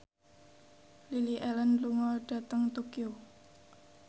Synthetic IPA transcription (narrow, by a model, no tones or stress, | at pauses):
liliʔɛlənluŋɔɖ̥ä̤t̪əŋt̪okio